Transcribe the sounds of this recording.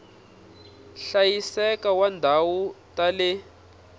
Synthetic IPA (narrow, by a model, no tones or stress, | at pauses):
ɬajisɛkawandʱawutale